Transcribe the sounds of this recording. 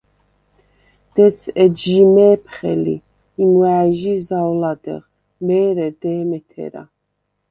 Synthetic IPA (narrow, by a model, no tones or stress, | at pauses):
d̪̥ɛt̪sʰɛdʒimɛːpʰχɛlḭ | inwaːʒizawlad̪ɛ̰ʁ | mɛːɾɛd̪ɛːmɛt̪ʰɛ̰ɾa̰